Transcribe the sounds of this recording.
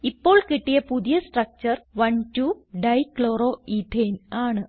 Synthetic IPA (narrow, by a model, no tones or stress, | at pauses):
ipːo̞ːɭkiʈːijɐpuðijɐsʈrɐk̚t͡ɕɐrʋɐɳtuɖɐjkɭoːɾoːit̪ʰeːnaːɳɨ